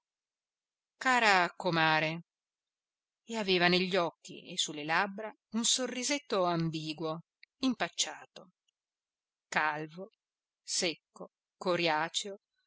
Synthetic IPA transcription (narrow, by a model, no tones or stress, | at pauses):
kaːɾakomaːɾe | eaveːvaneʎːɔkːḭesulːelabɾa | unsorːizet̪ːoambiːɡwo | impat͡ʃːaːt̪o | kalvo | sekːo | koɾjaːt͡ʃo